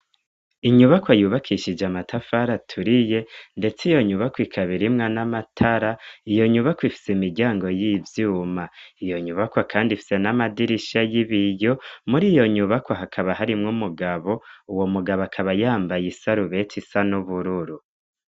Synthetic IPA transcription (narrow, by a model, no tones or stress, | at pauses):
iɲuβakwajuːβakʰiʃid͡ʒamatʰafaɾatʰuɾije̞nde̞t͡sijo̞ɲuβakwikʰaβiɾimŋanamatʰaɾaijo̞ɲuβakwifi̥seimiɾɟaːŋɡo̞jivjuːmaijo̞ɲuβakwakʰaːndifi̥se̞namadiɾiʃajiβijo̞muɾijo̞ɲuβakwaɦakʰaβahaɾimŋumuɡaβo̞uwo̞muɡaβoakʰaβajaːmbajisaɾuβe̞tisanuβuɾuɾu